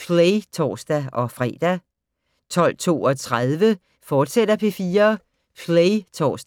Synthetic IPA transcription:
fʰleɪt͡sʰɒ̰ːsd̥æɒ̽fʁɛ̰ːd̥æ | t͡sʰɒ̽l̰t͡sʰo̝̰ːɒ̽t͡sʰʁaðˠʋə | fɒːd̥sed̥ɐpʰe̝fiːɐ | fʰleɪt͡sʰɒ̰ːsd̥

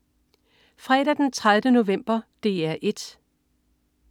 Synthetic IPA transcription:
fʁɛːɾ̥æd̥ent͡sʰʁaðˠdəno̝ʋem̰b̥ɐd̥e̝æɐʔe̝d̥

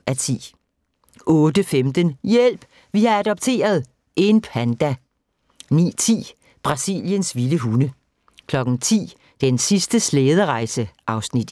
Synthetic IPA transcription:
æt͡sʰḭː | ʔɔ̽ːd̥əfemd̥ənjel̰b̥ | ʋihɑ̈æd̥ɒ̽b̥̚t͡sʰe̝̰ːɐð̞ˠ | ʔe̝npʰænd̥æ | nḭːt͡sʰḭː | b̥ʁɑ̈sḭljənsʋiləɦunə | kʰlɒ̽ɡ̥n̩t͡sʰḭː | d̥ensisd̥əsleːð̞ˠəʁɑ̈ɪsəʔɑ̈ʊsnid̥

